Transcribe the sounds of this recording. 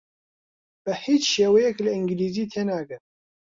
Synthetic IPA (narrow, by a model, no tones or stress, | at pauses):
b̥əhiːt͡ʃʃeːwɛjɛkləʔɨŋɡɨliːziːt̪ʰeːnaːɡɨn